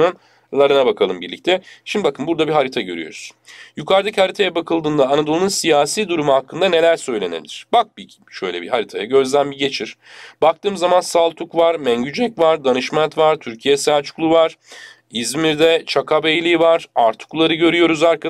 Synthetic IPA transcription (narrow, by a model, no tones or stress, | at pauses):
ɯn | lˠaɾɯnabakʰalˠɯmbḭɾlʲḭc̚t̪ʰɛʃimd̪ibakʰɯnbuɾd̪abiɦaɾit̪ʰaɟø̞̰ɾy̰jo̞̰ɾuz̥jukʰaɾd̪achaɾit̪ʰajɛbakʰɯlˠd̪ɯːnd̪aːnad̪olˠnunsijaːsiːd̪uɾumuhakʰːɯnd̪ane̞lʲæɾsø̞jlʲe̞nebliɪɾ̥bak̚bi | ʃø̰jlʲɛbḭɦaɾit̪ʰajaɟø̞zd̪ænbiɟe̞t͡ʃʰiɾ̥bakt̪ʰɯːmzamansalˠt̪ʰukvaɾmɛɲɟyd͡ʒɛcvaɾd̪anɯʃmant̪vaɾt̪ʰyɾcʰijɛsæɾt͡ʃʰu̥klˠuvaɾ̥ | izmiɾd̪ɛt͡ʃʰakʰabejlʲivaɾ̥aɾt̪ʰu̥klˠaɾɯɟø̞ɾyjo̞ɾuzaɾka